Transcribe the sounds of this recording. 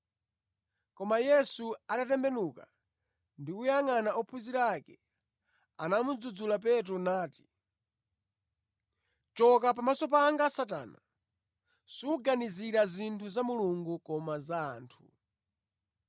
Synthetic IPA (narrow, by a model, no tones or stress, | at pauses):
kɔmajɛsuadatɛmbɛnuka | ndiujaŋanaɔpʰuziɾakɛ | anamud͡zud͡zulap̬ɛt̬ɾɔnaːti̥ | t͡ʃɔkap̬amasɔp̬aŋɡasata̰ːna̰ | suuɡaniziɾazintʰuzamuluŋɡukɔmaza̰ːntʰu